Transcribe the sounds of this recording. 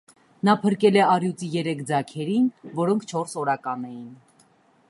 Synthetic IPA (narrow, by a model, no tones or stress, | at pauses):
nɑpʰəɾkɛlɛɑrjut͡sijɛɾɛkʰd͡zɑkʰɛɾinvɔɾɔŋkʰt͡ʃʰɔɾsɔɾɑkɑnɛjin